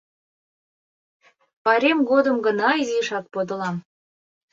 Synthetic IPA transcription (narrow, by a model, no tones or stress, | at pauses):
pɑɾʲemɡod̪əmɡə̆nɑiziʃɑk̚pod̪ɤ̆lɑm